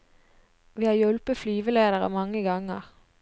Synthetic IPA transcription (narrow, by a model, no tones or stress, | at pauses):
ʋiːhɑːjœlpəflyːʋəleːd̪əʁə̰mɑŋəɡɑŋə̰ʁ